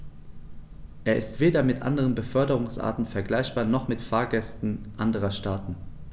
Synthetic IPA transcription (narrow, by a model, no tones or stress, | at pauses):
ʔeːɐʔɪ̰stv̥eːdɐmɪtʔa̰ndəʁ̞ənbəfœɐdəʁ̞ʊŋsʔa̰ɐtn̩fɛɐɡlaɪçb̥aːɐnɔχmɪtfaːɐɡɛstn̩ʔandəʁ̞ɐʃtaːtn̩